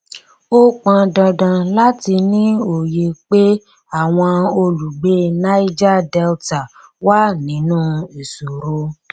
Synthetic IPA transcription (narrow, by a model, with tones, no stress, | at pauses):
o˦k͡pã˧dã˧dã˧la˦ti˧nĩ˦o˨je˧k͡pe˦ | a˦˨w̃ɔ̃˧o˧lu˨ɡ͡be˦nã˦i˦d͡ʒa˦dɛ˧lta˨wa˦nĩ˨˦nũː˦i˨su˨ɾo˧˦